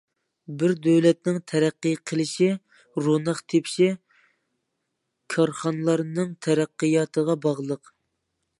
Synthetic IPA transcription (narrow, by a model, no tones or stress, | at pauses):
bɪɾd̪øwlɛt̪nɪŋt̪ʰɛɾæqːɨjqʰəlˠɪʃi | ɾonɑχt̪ʰepʰʃi | kʰɑɾχɑnlˠɑɾnɨŋt̪ʰɛɾæqːəjɑːt̪ʰəʁɑbɑʁlˠəq